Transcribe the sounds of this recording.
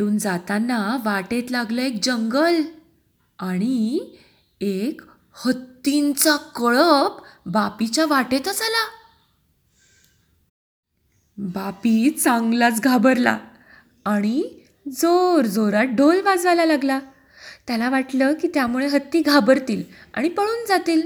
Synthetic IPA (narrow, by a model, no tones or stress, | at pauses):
uːnd͡zat̪anːaʋaʈet̪laɡləek̚d͡ʑəŋɡəl | aɽ̃i | ek | hət̪ːint͡sakəɭəpbapit͡ɕaʋaʈet̪əsala | bapiːt͡saŋɡlat͡sɡʱabəɾla̰ː | ɽ̃i | d͡zoɾd͡zoɾat̪̚ɖʱolʋad͡zʋalalaɡla | t̪jalaʋaʈləkiːt̪jamuɭeɦət̪ːiːɡʱabəɾt̪iːla̰ɽ̃ipəɭuːnd͡zat̪iːl